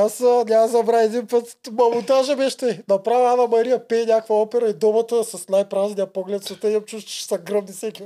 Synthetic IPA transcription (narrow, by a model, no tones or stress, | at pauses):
asənʲazɐbɾaɛd̪inpət̪mɐmut̪aʒɛbɛʃt̪ɛnɐpɾavʲiad̪ɐmɐɾijɐpɛnʲakvɐɔpɛɾɐid̪ɔmɐt̪əsɐsnajpɾaznijɐpoɡlɛt̪sot̪ɛɐmt͡ʃuʃʃsɐɡɾəvnisɛkʲi